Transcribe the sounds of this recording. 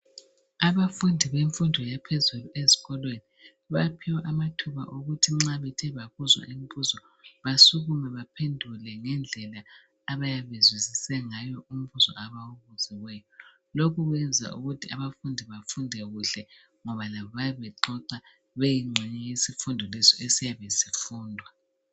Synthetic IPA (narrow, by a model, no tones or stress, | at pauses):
aβafundʱiβeɱfundʱɔjapʰezuluezi̥ɣɔlweni | βapʰiwaʔamatʰuβa̰ʔoɣutʰiŋ͡ǁaβɛtʰɛβaβuzwa̰ʔim̩βuzɔ | βasuɣumɛβapʰendʱulɛŋɛnd͡ɮʱɛlaː | βajaβezwizisɛŋajɔʔum̩βuzɔ̰ʔaβawuβuz̥iwɛjɔ | lokuɣwɛnd͡zʱa̰ʔuɣutʰiaβafundʱiβafundʱɛɣuɬɛ | ŋɔβalaβɔβaβɛǃɔǀa | βejiŋ͡ǁʱɛɲɛjesifundʱɔlɛsɔesijaβesifuːndʱwa